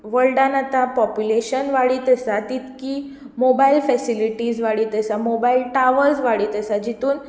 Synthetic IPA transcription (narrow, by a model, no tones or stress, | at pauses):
ʋəlɖãnat̪ãpɔpjuleɕənʋaɽiːt̪əsat̪it̪kiː | mobailfɛsiliʈiːd͡zʋaɽiːt̪əsamobailʈaʋəɾd͡zʋaɽiːt̪əsad͡ʑit̪uːn